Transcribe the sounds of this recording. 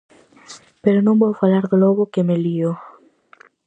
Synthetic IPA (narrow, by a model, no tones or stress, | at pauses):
peɾonõmbowfalaɾðoloβokemelio